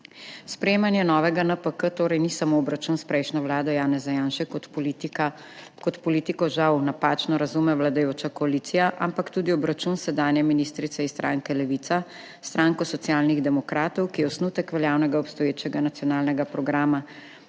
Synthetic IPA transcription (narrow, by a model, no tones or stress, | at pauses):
spɾɛjeːmanjɛnɔʋɛɡanəpəkət̪oːɾɛjnisamoːbɾat͡ʃunspɾɛjʃnɔwlaːd̪ɔjaːnɛzajaːnʃɛkɔt̪a | kɔt̪pɔliːt̪ikɔʒawnapat͡ʃnɔɾazumɛwlad̪ajoːt͡ʃakɔalit̪sijaʔa̰mpakt̪uːd̪iɔbɾat͡ʃunsɛd̪aːnjɛminist̪ɾit̪sɛist̪ɾʔa̰ːŋkɛlɛʋit̪sa | st̪ɾaːŋkɔsɔt̪sjaːlniɣd̪ɛmɔkɾaːt̪ɔwkijɛɔsnuːt̪ɛkʋɛljaːwnɛɡaɔpst̪ɔjeːt͡ʃɛɡanat̪sijɔnaːlnɛɡapɾɔɡɾaːma